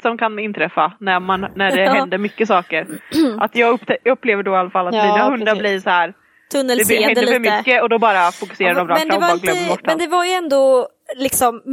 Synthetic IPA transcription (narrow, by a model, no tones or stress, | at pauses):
sɔmkʰanɪnːt̪ʰɾɛfːanæmannæɖɛhɛd̪əmʏkːəsɑːkəɾʔat̪jɑːɡɵɛɵpːleːvəɖɔɪalːafalːat̪miːnaɦɵnd̪aɾbliɾsɔhæːɾ | t̪ʰɵnːəlɛhɛnd̪əfœɾmʏkːəɔd̪ɔbɑːɾafʊkɵ̥seːɾad̪ɔmɾɑɛnd̪ɛaɡlœmːəbɔʈːɛnd̪ɛvaɾjɛnd̪o | lɪksɔm